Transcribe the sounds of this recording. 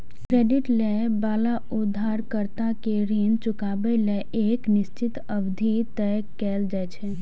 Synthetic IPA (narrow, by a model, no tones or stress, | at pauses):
kɾeːɖɪʈlebaːla | ʊd̪ʱːaːɾkəɾt̪akeɾiːnt͡ʃʊkaːbeleʔeːknɪʃt͡ʃɪt̪ | əbd̪ʱit̪ɛ | kɛːld͡ʒajt͡ʃʰɛ